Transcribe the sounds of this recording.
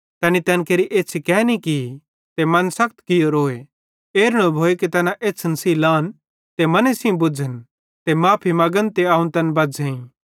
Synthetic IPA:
t̪ɛːnit̪ɛːnkeːɾiʔeːsʰikɛːniki | t̪emɐnsɐk̚ʰt̪kɪjoɾoːe | eːɾɽ̃obʱoːekit̪ɛːnaʔeːt͡sʰnɐsiːlãːn | t̪emɐnesĩbʊd͡ʒʱən | t̪emãːpʰimɐɡənt̪eaːũnt̪ɐnbɐd͡zʱẽĩ

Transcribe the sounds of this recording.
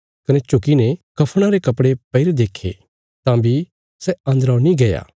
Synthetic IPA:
kɐnɛt͡ʃʊkinekɐpʰɽ̃aɾekɐpɽepɐɪɾed̪eːkʰːḛ | t̪ãbʱi | sɛɐ̃nd̪əɾanĩɡɐja̰ː

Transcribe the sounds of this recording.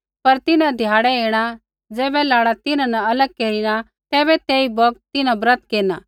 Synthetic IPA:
pɐɾt̪ɪnãd̪ʱjaːɽɛeːɽ̃a | d͡zɛːbɛlaːɽat̪ɪnãnɛ̃ɐləɡ̚keːɾiɽ̃a | t̪ɛːbɛt̪eːibɔk̚t̪ɪnãbɾə̃t̪keːna̰

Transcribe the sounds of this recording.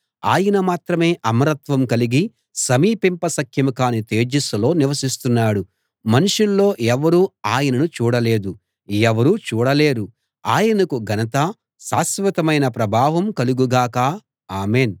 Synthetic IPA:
a̰ːjɐnɐmaːt̪ɾɐme̞ːʔɐmɐɾɐt̪ʋɐmkɐliɡi | sɐmiːpimpɐsɐkʰjɐmukaːnit̪e̞ːd͡ʒisɐlo̞ːniʋɐsist̪unːaːɽu | mɐnuʂulːo̞ːɛʋɐɾuaːjɐnɐnut͡ʃuːɽɐle̞ːd̪u | ɛʋɐɾuːt͡ʃuːɽɐle̞ːɾu | aːjɐnɐkuɡʱɐnɐt̪ɐ | saːsʋɐt̪ɐmɐjnɐpɾɐbʱaːʋɐmkɐluɡuɡaːkaː | aːmeːn

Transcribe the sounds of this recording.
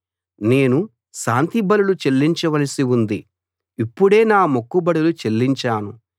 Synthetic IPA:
ne̞ːnu | ʃaːnt̪ibɐlulut͡ʃe̞lːiɲt͡ʃɐʋɐlɐsiund̪i | ipːuɽe̞ːnaːmokːubɐɽulut͡ʃe̞lːiɲt͡ʃaːnu

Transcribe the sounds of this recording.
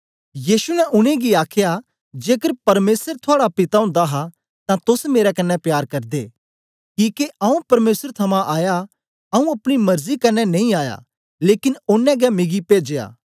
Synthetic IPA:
jiːsunɛʔʊñẽɡiaːkʰja | d͡ʒeːkəɾpɐɾmeːsəɾt̪ʰoaːɽapɪt̪aʊ̃nd̪aɦa | t̪ãt̪ʊsmeːɾɛkɐnːɛpjaːɾkɐɾd̪ḛː | kiːkeʔɐũpɐɾmeːsəɾt̪ʰɐmãʔaːja | ɐũɐpɽ̃imɐɾzikɐnːɛnɐĩaːja̰ | leːkɪnʊnːɛ̃ɡɛmɪɡipeːd͡ʒeja̰ː

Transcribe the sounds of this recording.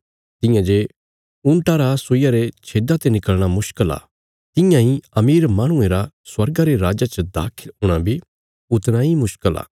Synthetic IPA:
t̪ɪjãd͡ʒe | ʊ̃ɳʈaɾasoijaɾet͡ʃʰeːɖat̪enɪkəɭɽ̃amʊʃkəla̰ː | t̪ɪjãɦĩɐmiːɾmaːɽ̃ʊ̃ẽɾa | swɐɾɡaɾeɾaːd͡ʒat͡ʃəd̪a̰ːkʰɪlʊɽ̃ãbʱi | ʊt̪ɽ̃aimʊʃkəla̰ː

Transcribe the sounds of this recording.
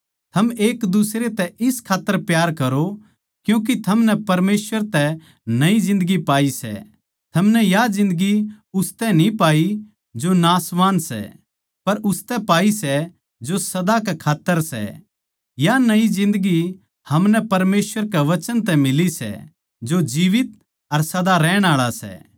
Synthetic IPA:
t̪ʰɐmeːkd̪ʊsɾet̪ɛʔɪskʰaːt̪ːəɾpjaːɾkɐɾo | kjũːk̬it̪ʰɐmnɛpɐɾmeːsʋəɾt̪ɛ | nɐizɪ̃nd̪əɡipaːisɛ̰ | t̪ʰɐmnɛjazɪ̃nd̪əɡi | ʊst̪ɛnĩpaːi | d͡ʒonaːsʋaːnsɛ̰ | pɐɾʊst̪ɛpaːisɛ | d͡ʒosɐd̪akɛkʰaːt̪ːəɾsɛ̰ | janɐizɪ̃nd̪əɡi | hɐmnɛpɐɾmeːsʋəɾkɛʋɐt͡ʃənt̪̬ɛmɪlisɛ̰ | d͡ʒod͡ʒiːʋɪt̪̚ | ɐɾsɐd̪aɾɛːɽ̃aːɭasɛ̰ː

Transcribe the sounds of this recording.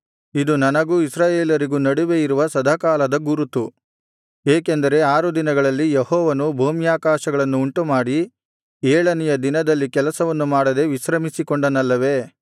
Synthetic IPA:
id̪unɐnɐɡuːisɾaːjeːlɐɾiɡunɐɽuʋe̞jiɾuʋɐsɐd̪ʱakaːlɐd̪ɐɡuɾut̪u | eːkend̪ɐɾe̞aːɾud̪inɐɡɐɭɐlːijehɔːʋɐnubʱoːmjaːkaːʃɐɡɐɭɐnːuːɳʈumaːɽi | eːɭɐnijɐd̪inɐd̪ɐlːikɛlɐsɐʋɐnːumaːɽɐd̪e̞ʋiʃɾɐmisikoɳɖɐnɐlːɐʋe̞

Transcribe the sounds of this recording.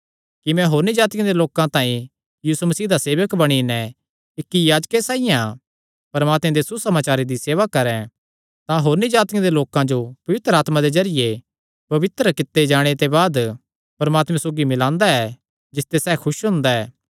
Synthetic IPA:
kimɛ̃ɦoːɾnid͡ʒaːt̪ɪjãd̪eloːkãt̪ãːĩ | jiːsumɐsiːd̪aseːʋəkbɐɽ̃inɛ̃ | ɪkːijaːd͡ʒkesaːijã | pɐɾmaːt̪mẽd̪esusɐmaːt͡ʃaːɾed̪iseːʋakɐɾɛ̃ | t̪ãɦoːɾnid͡ʒaːt̪ɪjãd̪eloːkãd͡ʒopɐʋɪt̪ɾəaːt̪mãd̪ezɐɾɪje | pɐʋɪt̪ɾəkɪt̪ːed͡ʒaːɽ̃et̪ebaːd̪ | pɐɾəmaːt̪mɛ̃soːɡimɪlãːnd̪aɛ | d͡ʒɪst̪esɛːkʰʊʃɦʊ̃nd̪aɛː

